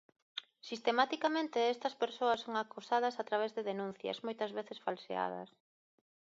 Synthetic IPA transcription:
sist̪emat̪ikamẽnt̪eɛst̪ɐspeɾsoɐsoŋakusað̞ɐsat̪ɾaβ̞ezðeðenũn̟θjɐ̰zmojt̪ɐzβeθesfalsḛa̰ðɐ̰s

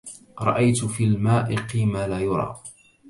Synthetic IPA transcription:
ɾˤɑʔajt̪ʊfiːlmaːʔɪqiːmaːlaːjʊɾˤɑ̰ː

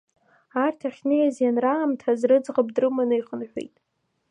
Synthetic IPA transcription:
artʰaχʲnejazjanraːmtʰazrɨd͡zʁəb̚drɨmanɨiχənħʷᶣḛjtʼ

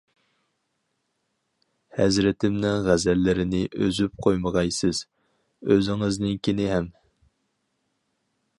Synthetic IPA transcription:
hɛzɾɪt̪ʰɪmnɪŋʁæzɛlːɪɾɪnɪʔøzyp̚qʰojməʁɑjsɪz̥ | øzɪŋɨznɪŋkʲʰinɪɦɛm

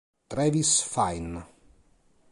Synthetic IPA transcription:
t̪ɾɛvisfajn

